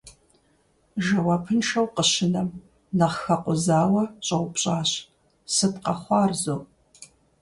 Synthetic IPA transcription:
ʒɐwɑpʰɨnʃɐwqəɕɪnɐm | nɐʁxɐqʷʊzaːwɐɕʼɐwʷʊpɕʼaːɕ | sɨtqɐχʷɑːrzoː

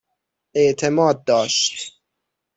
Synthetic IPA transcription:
ʔeʔt̪ʰemɒːd̪̚ːɒːʃt̪

